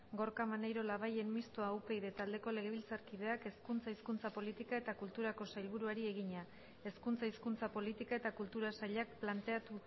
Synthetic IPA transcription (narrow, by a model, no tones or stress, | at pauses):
ɡoɾkamanejɾo̞laβ̞aje̞nmist̪oauwpe̞jðe̞t̪ald̪e̞ko̞le̞ɣ̞e̞β̞ilt͡saɾkið̞e̞ake̞skunt͡saiskunt͡sapo̞lit̪ikae̞t̪akult̪uɾako̞sajlβ̞uɾuaɾieɣ̞iɲa | e̞skunt͡saiskunt͡sapo̞lit̪ikae̞t̪akult̪uɾasaʎak̚plant̪e̞at̪u